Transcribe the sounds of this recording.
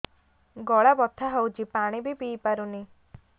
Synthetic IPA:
ɡɔɭabɔt̪ʰaɦowt͡ʃipaɽ̃ibibiːpaɾuni

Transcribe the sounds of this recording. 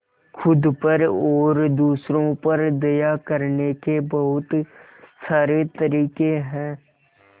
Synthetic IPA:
kʰʊd̪pəɾɔːɾd̪uːsɾõpɐɾd̪ɐjakəɾnekebɐɦʊt̪ | saːɾet̪ɐɾiːkeɦɛ̃ː

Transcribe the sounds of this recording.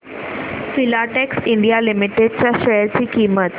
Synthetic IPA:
filaʈeksɪ̃ɳɖijalɪmɪʈeɖ̚t͡ɕaʃɐjəɾt͡ɕiːkiːmət̪

